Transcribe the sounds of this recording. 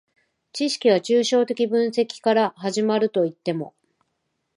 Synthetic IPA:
t͡ɕiɕi̥kʲiβ̞at͡ɕɨːɕo̞ːt̪e̞kʲibɯ̟̃ɰ̃se̞kʲi̥kaɾaɦaʑimaɾɯ̟t̪o̞it̪ːe̞mo̞̰

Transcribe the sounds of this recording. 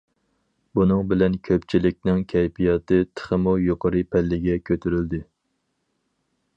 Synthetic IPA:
bunɨŋbɪlɛnkʲʰøpt͡ʃʰilɪk̚ʲnɪŋkʲʰɛjpijɑt̪ɨt̪ʰə̥χəmujoqəɾɨpʰɛlːɪɡʲɛkʲʰøt̪ʰyɾyld̪ɪ

